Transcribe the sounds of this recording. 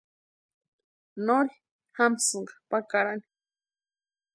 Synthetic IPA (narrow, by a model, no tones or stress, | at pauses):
noɾi | hamsɨɴɢɑ̥pakaɾani̥